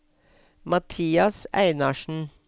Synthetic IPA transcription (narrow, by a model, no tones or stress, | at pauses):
mɑt̪ʰiːɑsæ̰ɪnɑʃn̩